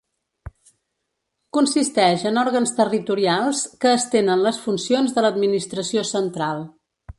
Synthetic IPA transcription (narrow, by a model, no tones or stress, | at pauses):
kunsist̪ɛʒənɔɾɣənst̪ərit̪uɾialˠskəːst̪enənləsfunsionzðələd̪minist̪ɾəsiosənt̪ɾalˠ